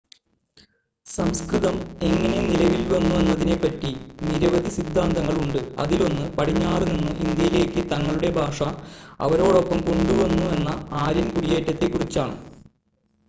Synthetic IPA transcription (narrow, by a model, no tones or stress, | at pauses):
sɐmskrɨðɐme̞ŋːɐne̞nilɐʋilʋɐnːue̞nːɐðine̞pːɐtːiniɾɐʋɐd̪ʱisid̪ʱːaːnd̪ɐŋːɐɭuɳɖɨɐ̰ðilo̞nːɨpɐʈʰiɲːaːrninːɨʔind̪jɐjile̞ːkːɨt̪ɐŋːɐɭuɽe̞bʱaːʂɐɐ̰ʋɐɾo̞ːɽo̞pːɐmko̞ɳɖuʋɐnːue̞nːɐaːɾɐnkuɽijeːtːɐt̪ːekːurit͡ɕːaːɳɨ̰